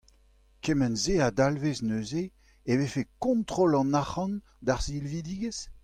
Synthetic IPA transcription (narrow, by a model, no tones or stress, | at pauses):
kemɛnzead̪alveznøːze | evefekɔ̃nt̪ʁolɑ̃naχɑ̃n | d̪aʁzilvid̪iːɡəs